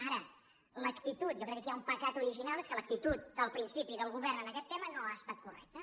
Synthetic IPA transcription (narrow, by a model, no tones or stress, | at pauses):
aɾə | ləkt̪it̪ut̪ʒokɾɛkːəkiaumpəkat̪uɾiʒinalˠeskələk̚t̪it̪ut̪̚d̪əlˠpɾinsipiðəlˠɣuβɛrnənəkɛt̪ːemənoaəst̪at̪̚kurɛ̰k̚t̪ə